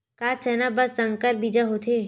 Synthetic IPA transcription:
kaːt͡ʃɛːnabɐsːɐ̃ŋɡkəɾbiːd͡ʒaɦot̪ʰeː

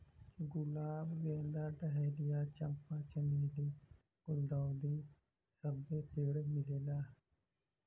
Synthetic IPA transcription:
ɡʊlaːbɡẽːnd̪aːʈəɦeːlɪjaːt͡ʃəmpãːt͡ʃəniːliː | ɡʊld̪aːd̪iː | səbːeːt̪ʰeːɽmɪleːlaː

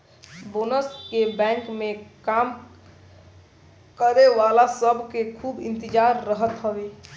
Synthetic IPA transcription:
bonəskebɛ̃ŋkmekam | kəɾeʋalasəbʱkekʰubḭ̃nt̪id͡ʒaɾːəɦət̪ɦəbe

